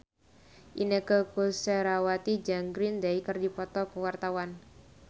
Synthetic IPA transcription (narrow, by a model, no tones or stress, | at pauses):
ʔinəkəkosəɾawat̪id͡ʒaŋɡɾindaikərdipɔt̪ɔkəwart̪awan